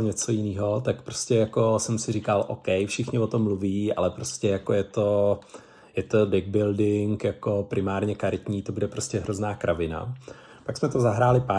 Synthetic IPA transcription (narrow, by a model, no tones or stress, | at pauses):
ɲɛt͡so̞jɪniːɦo̞t̪akpɾoscɛjako̞sɛmsɪɾikalʔo̰kɛjfʃɪxɲɪvot̪omːluviːʔa̰lɛpɾo̞scɛjakojɛt̪o̞ | jɛt̪o̞dɪɡ̚bɪldɪŋkjako̞pɾʔɪmaːɾɲɛkaɾɪt̪ɲiːt̪o̞budɛpɾo̞scɛɦɾoznaːkɾʔavɪna̰ | paksmɛt̪o̞zaɦɾaːlɪpa